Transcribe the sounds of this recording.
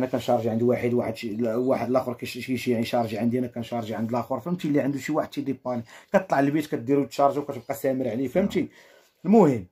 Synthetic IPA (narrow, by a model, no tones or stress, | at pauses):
ænækænʃɑɾˤʒiʕənd̪waħəd̪waħəd̪ʃiwaħəlʔæxuɾkæʃiʕiʃɑɾˤʒiʕənd̪iænækænʃɑɾˤʒiʕənd̪əlʔæxuɾˤfəmt̪ilːiʕənd̪uʃiwaħəd̪ʃid̪ipːɑnikæt̪t̪ˤlɑʕəlbit̪kæt̪̚d̪iɾut̪ʃɑɾˤʒawkæt̪əb̚qɑsæməɾʕlifəmt̪i | lmʊhəmː